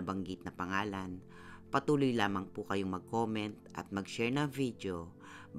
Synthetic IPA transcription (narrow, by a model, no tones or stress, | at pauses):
ɐbɐŋɡit̪̚nɐpɐŋaːlan | pɐt̪uːlʊjlaːmɐŋpʊkɐjoŋmɐɡ̚koːmɛnt̪̚ʔɐ̰t̪̚mɐɡʃɛɹnɐŋvid̪jo | b